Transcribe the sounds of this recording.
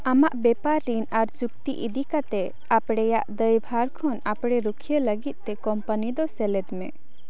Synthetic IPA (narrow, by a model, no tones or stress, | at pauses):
amaʔbɛpaɾːinaɾt͡ʃuk̚t̪ḭʔḭd̪ikat̪ɛ | apɽɛjaʔd̪əjbʱaɾkʰɔnapɽɛɾukʰijələɡit̪̚ˀt̪ɛkɔmpənid̪ɔsɛlɛd̪mɛ̰